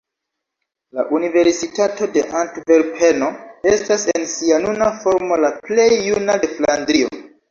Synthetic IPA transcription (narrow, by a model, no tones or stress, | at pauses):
la̰ʔunive̞ɾsitato̞de̞ʔantvelpʰeno̞e̞stasensianunafo̞ɾmo̞laple̞jːunadeflandɾio̰